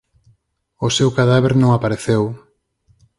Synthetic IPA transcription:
ʊsewkaðaβeɾnõŋapaɾeθew

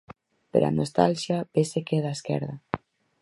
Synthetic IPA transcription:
pḛɾʔa̰nost̪alʃjabesekeðaeskɛ̰ɾða

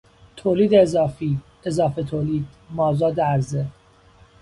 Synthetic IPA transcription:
t̪ʰoːliːd̪eːzɒːfiː | ezɒːfet̪ʰoːliːd̪̥mɒːzɒːd̪eæɾze

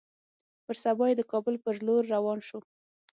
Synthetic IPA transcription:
pəɾsabɑjed̪əkɑbʊlpəɾloɾːawɑnʃo

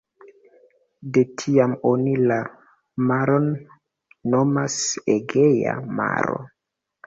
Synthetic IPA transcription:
detʰiamonila | maɾonː | o̞maseɡeja̰ma̰ɾo̞̰

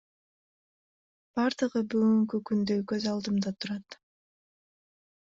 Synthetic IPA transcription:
b̥ɑɾd̪ɯʁɯbyɡyŋkykynd̪øjkøzɑlˠd̪ɯmd̪ɑt̪ʰuɾɑt̪

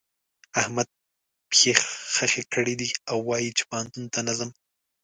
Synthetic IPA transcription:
ahmad̪̚ | pxexxəxekʰəɽid̪iawːɑjit͡ʃe̥pahant̪unt̪anazam

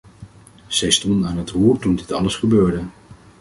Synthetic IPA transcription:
z̥ɛjstɔndənaːnɦətɦuːɹtundɪtɑləsχəbøːɹdə

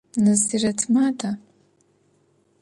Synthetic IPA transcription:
nɨziratʰmadʰa

